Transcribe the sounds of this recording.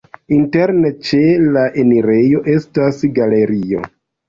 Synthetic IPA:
inte̞ɾne̞t͡ʃe̞laʔe̞niɾe̞jo̞ʔe̞stasɡale̞ɾio̞̰

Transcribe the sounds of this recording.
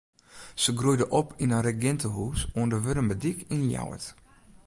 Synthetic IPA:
səɡrujdəʔɔpʰinarɛɡɛntəɦuːsoəndəʋøɾəmbədikʰinja̰wə̰t

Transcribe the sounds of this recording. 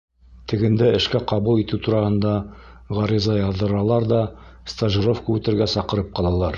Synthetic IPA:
t̪ʰɘ̆ɡɘ̆nd̪æɘ̆ʃkæqɑβulˠit̪ʉt̪uɾɑhɤ̆nd̪ɑ | ʁɑɾizɑjɑðːɤ̆ɾɑlˠɑɾðɑ | st̪aʒiɾofkʉt̪ɘ̆ɾɡæsɑqɤ̆ɾɤp̚qɑlˠɑlˠɑɾ

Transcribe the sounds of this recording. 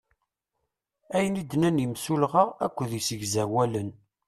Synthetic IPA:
æjənid̪nænjəmsulʁaæ̰kʷːðisəɡzæwælən

